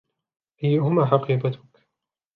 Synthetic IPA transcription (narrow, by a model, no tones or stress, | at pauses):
ʔajːʊhʊmaːħɑqiːbat̪ʊ̥k